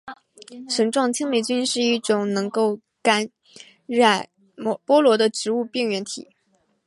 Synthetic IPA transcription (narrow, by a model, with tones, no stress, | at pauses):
ʂə˧˥ŋʈ͡ʂwɑ˥˩ŋt͡ɕʰi˥ŋli˨˩t͡ɕy˥nʂɻ̩˥˧i˥˩ʈ͡ʂʊ˨˩ŋnɤ˧˥ŋko˥˩ʊ | ka˥n | ɻa˥˩ɪ˥ | pwɔ˥lwɔ˧˥d̪ə˧ʈ͡ʂɻ̩˧˥u˥˧pi˥˩ŋɥɛ˧˥nt̪ʰḭ˨˩˦